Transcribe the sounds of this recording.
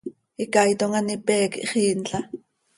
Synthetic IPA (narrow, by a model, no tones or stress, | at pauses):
ikɑjt̪oŋanipɛːkḭʔχiːnɬɑ